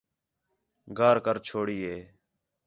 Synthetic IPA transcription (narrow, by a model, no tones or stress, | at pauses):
ɡʱaːɾkəɾt͡ʃʰoːɽiːeː